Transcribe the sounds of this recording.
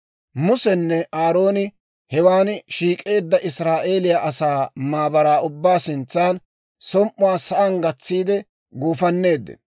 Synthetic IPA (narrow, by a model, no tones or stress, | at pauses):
mʊsɛnːɛʔaːɾo̞ːnɪ | hɛwaːnʃiːkʼe̞ːd̪ːɐʔɪsɾaːʔe̞ːlɪjaʔɐsaːmaːbɐɾaːʊbːaːsɪnt͡sːaːn | sɔmʔʊwaːsɐʔɐŋɡɐt͡sːiːd̪ɛ | ɡuːfɐnːe̞ːd̪ːɪ̰n